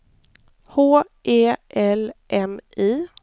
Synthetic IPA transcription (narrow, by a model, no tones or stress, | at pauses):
hoː | ʔeːʔɛlʔɛmiː